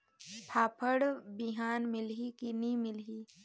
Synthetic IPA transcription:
pʰaːpʰəɽbɪɦaːnmɪlɦikinimɪlɦiː

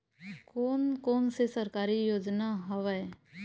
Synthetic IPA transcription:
koːnkoːnsesəɾkaːɾiːjoːd͡ʒnaːɦəʋɛː

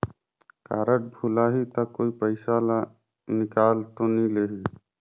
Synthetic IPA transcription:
kaːɾəʈ̚bʱulaɦit̪əkːoːipəɪsala | nɪkaːlt̪onĩleːɦi

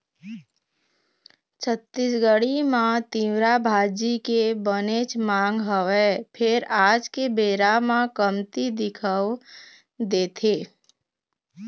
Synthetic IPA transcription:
t͡ʃʰət̪ːisɡəɽimãt̪iwɾabʱaːd͡ʒikebənet͡ʃmãːŋɡɦəwepʰɪɾaːd͡ʒkebeːɾamãkəmt̪id̪ɪkʰəw | d̪eːt̪ʰeː

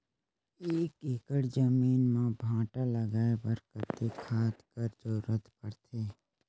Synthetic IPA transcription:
eːkekəɽd͡ʒəmiːnmãbʱãːʈaləɡaːepəɾkət̪ːekʰaːt̪kəɾzʊɾət̪pəɽt̪ʰeː

